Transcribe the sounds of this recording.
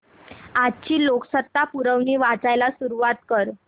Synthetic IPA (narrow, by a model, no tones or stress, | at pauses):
ad͡ʑt͡ɕiːloksət̪ːapuɾəʋniːʋat͡sajlasuɾuʋat̪kəɾ